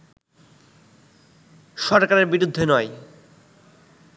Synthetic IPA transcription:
ʃɔɾkaɾeɾbiɾud̪ʱːenɔj

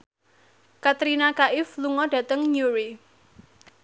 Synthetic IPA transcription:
kat̪ɾinakaʔɪfluŋɔd̥a̤t̪əŋɲuɾi

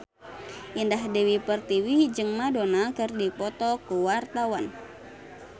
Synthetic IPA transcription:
ʔindaɦdewipərt̪iwid͡ʒɨŋmadonakɨrdipɔt̪ɔkuwart̪awan

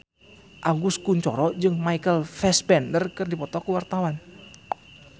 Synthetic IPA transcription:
ʔaɡuskuɲt͡ʃɔ̰ɾɔd͡ʒɨŋmaikəlfɛspɛndərkɨrdipɔt̪ɔkəwart̪awan

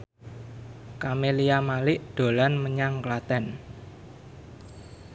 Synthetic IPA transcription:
kamelijamalɪʔd̪̥o̤lanməɲaŋklat̪ɛn

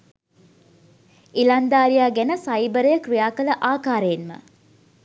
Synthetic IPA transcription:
ilɐnd̪aːɾijaːɡænəsajbəɾəjəkrijaːkələʔaːkaːɾəjenmə̰

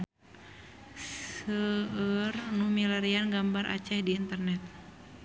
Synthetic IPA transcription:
ssəərnumilaɾianɡambarʔa̰t͡ʃɛhdiːnt̪ərnɛt̪̚

